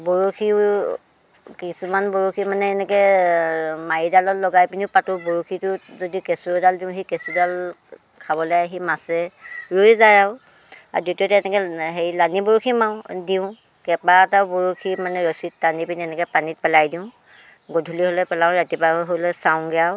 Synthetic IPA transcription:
bɔɹukʰi | kisumanboɹukʰimanɛːnɛkɛ | maɹidalɔllːɔɡajpiniʊpatʊboɹukʰitʊzodikesuɹdaldiʊ̃ɦikesudal | kʰabɔlojaɦimasɛɹujzaɹaʊ | a̰ditiɔtɛnɛkɛɦejlaniboɹukʰimaw̃diʊ̃ | kɛpatawboɹukʰimanɛɹɔsitːanipiniɛnɛkɛpanit̚pɛlajdiʊ̃ | ɡodʱuliɦolɔjpɛlaʊ̃ɹatipaɔɦolɔsaw̃ɡɛjaw

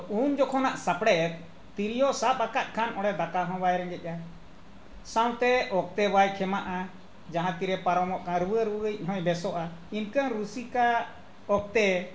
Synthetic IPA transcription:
uɲd͡ʒɔkʰɔnaʔsapɽɛt̪ | t̪iɾijɔʔsapakat̪̚kʰanʔɔɽɛd̪akaɦɔ̃wajɾɛɡɛc̚ˀa | saw̃t̪ɛɔk̚t̪ɛwajkʰɛmaʔa | d͡ʒaɦãt̪iɾɛpaɾɔmɔʔkaɾwəɾwəəc̚ˀɦɔ̃jbɛsɔʔainkəɾusika | ɔk̚t̪ɛ

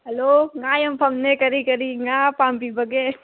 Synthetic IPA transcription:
ɦɐloːŋaːjɐmpʰɐmnekɐɾikɐɾiŋaːpaːmpibʱɐɡeː

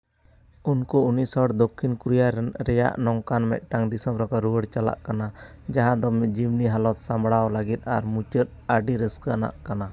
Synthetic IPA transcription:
unkuunisɔɽd̪ɔkʰːinkuɾjaɾɛnɾɛja̰ʔnɔŋkanmɛ̰ʔ̪̚ʈaŋd̪isɔmɾɔkaɾuwəɽt͡ʃala̰ʔkanad͡ʒaɦãd̪ɔmɛd͡ʒimniɦalɔt̪̚sambɽawlaɡit̪̚ˀaɾmut͡ʃəɾ̚ | aɖiɾəskəana̰ʔkana

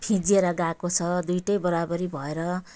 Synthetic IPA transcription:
pʰĩd͡zieɾʌɡakot͡sʰʌd̪ujʈʌjbʌɾabʌɾibʱʌeɾʌ

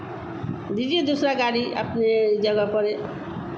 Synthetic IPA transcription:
d̪id͡ʒid̪usɾaɡaɾia̰pned͡ʒɔɡapɔɾe

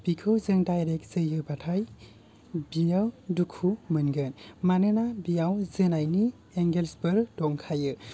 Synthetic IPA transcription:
b̥ikʰɯwzɯŋdajɾek̚z̥ɯjɯbatʰaj | bijawdukʰumɯnɡɯnmanɯnabijawzɯnajni | eŋɡelsbɯɾdɔŋkʰajɯ

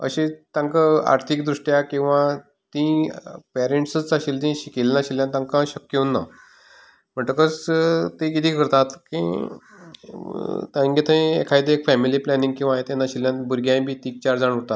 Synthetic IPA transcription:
ə̰ɕẽt̪ãŋkaa̰ɾt̪ʰikd̪ɾuʂʈjakĩw̃ʋã | t̪ĩpɛɾeɳʈsət͡saɕilt̪ĩɕikelnaɕiljãt̪ãŋkãɕəkjounːa̰ | m̤əɳt̪əkəst̪ekit̪ʰiːkəɾt̪at̪kḭ̃ | t̪ãɡet̪ʰãḛkʰajd̪eekfɛmiliːplɛnĩŋɡ̚kĩw̃ʋaɦet̪janːaɕiljãbuɾɡjãj̃bʱiːt̪iːk̚t͡ɕaɾd͡zaɽ̃uɾt̪at̪

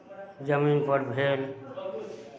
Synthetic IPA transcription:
zəmiːnpəɾbʱeːl

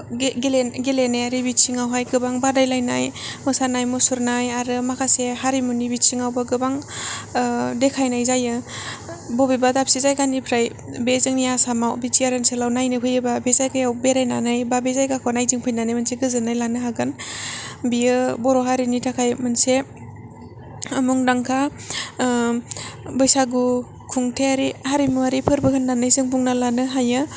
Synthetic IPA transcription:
ɡeleɡeleneaɾibisiŋawɦajɡɯbaŋbadajlajna̰jmɯsanajmusuɾnajaɾɯmakʰaseɦaɾimunibit͡ʃiŋawbaɡɯbaŋ | dekʰajnajzajɯ | bɔbibadapsizajɡanipʰɾaj | bezɯŋnijasamawbit͡ʃiaɾɯnselawnajnɯɦʰɯjɯbabezajkajawbeɾajnanajbabezajkakʰɔnajzɯŋpʰɯjnanajmɯnseɡɯzɯnajlanɯɦaɡɯn | biɯbɔɾɔɦaɾinitʰakʰajmɯnse | muŋdaŋkʰa | bɯjsaɡu | kʰuŋtʰeaɾihaɾimuaɾipʰɯɾbɯkʰɯnːanajzɯŋbuŋnalanɯɦajɯ

